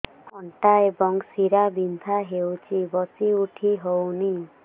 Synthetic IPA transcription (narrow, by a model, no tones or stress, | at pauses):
ɔɳʈaebɔŋsiɾabint̪ʰaɦewt͡ʃʰibɔsiuʈʰiɦowni